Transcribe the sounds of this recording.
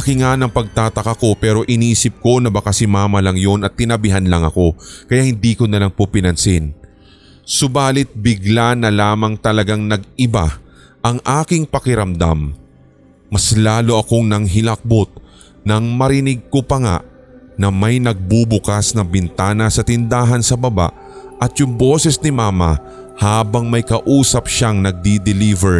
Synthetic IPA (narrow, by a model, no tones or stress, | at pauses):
ɐkɪŋanɐŋpɐɡ̚t̪aːt̪ɐkɐko̞pɛːɾo̞ʔɪniːsɪp̚ko̞nɐbɐkasɪmaːmɐlɐŋjo̞nɐt̪ːɪnɐbɪɦanlɐŋɐ̰ko̞kɐjaʔhɪnd̪iːkonɐlaŋpopɪnɐnsɪn | sʊbaːlɪt̪̚bɪɡlanɐlaːmɐŋt̪ɐlɐɡaŋnɐɡɪba | ʔɐŋʔaːkɪŋpɐkɪɾɐmd̪a̰mː | ɐslaːloʔɐko̞ŋnɐŋɦɪlɐk̚bot̪̚ | nɐŋmɐɾɪnɪɡ̚kopɐŋa̰ʔ | nɐmɐjnɐɡ̚bubʊkasnɐbɪnt̪aːnɐsɐt̪ɪnd̪aːɦɐnsɐbɐba̰ʔ | ʔɐt̪jʊŋboːsɛsnɪmaːmɐ̰ | haːbɐŋmɐjkɐʔuːsɐp̚ʃaŋnɐɡ̚d̪id̪ɪlivɛɹ